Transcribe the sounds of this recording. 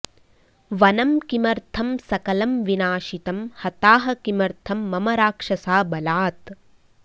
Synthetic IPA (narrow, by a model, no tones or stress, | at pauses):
ʋɐnɐmkimɐɾt̪ʰɐmsɐkɐlɐmʋinaːʃit̪ɐmhɐt̪aːɦɐ̆kimɐɾt̪ʰɐmːɐmɐɾaːkʂɐsaːbɐlaːt̪